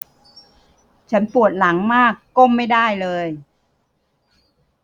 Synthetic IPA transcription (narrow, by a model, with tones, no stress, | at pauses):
t͡ɕʰa˦˥npu˨˩ət̪̚la˩˦ŋmaː˥˩kːo˥˩mːa˥˩jdaː˥˩jlɤː˧j